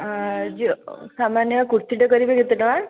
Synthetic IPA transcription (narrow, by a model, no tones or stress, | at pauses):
d͡ʒisamanjəkuɾt̪iʈəkəɾibeɡʱet̪əʈəʋa